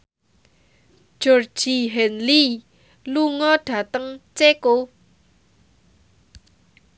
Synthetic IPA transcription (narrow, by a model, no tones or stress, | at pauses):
ʒ̥or̥d͡ʒ̥iɦɛnli | luŋɔɖ̥ä̤t̪əŋt͡ʃeko